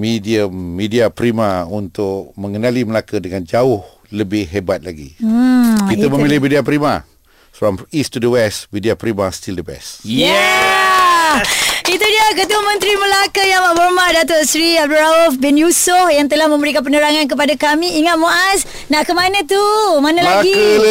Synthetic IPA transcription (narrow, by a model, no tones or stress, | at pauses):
midiəmːidiapɾimaunt̪ʊk̚mə̃ŋənaliməlakədəŋand͡ʒaʊh | ləbɪhɦebat̪̚la̰ɡḭ | kit̪əməmmilɪhmidiap̬ɾima̰ | fɾɔ̃mistːudəwɛsmidiapɾimastildəbɛ̰sjɛ | it̪udiakət̪uamə̃nt̪ɾiməlakəjamaʔbərmadat̪ɔʔsɾiab̚duɾaufbɛnjusʊhjaŋt̪əlahmə̃mbəɾikanp̬ənəɾaŋank̬əp̬adakamĩiŋat̪̚moʔas | naʔkəmanə̃t̪umanãlaɡikə